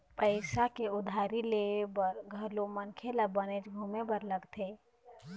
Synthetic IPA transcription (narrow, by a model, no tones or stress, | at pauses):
pəɪsakeʊd̪ʱaːɾilebəɾɡʱəɾlomənkʰelabənet͡ʃɡʱumebəɾləɡt̪ʰe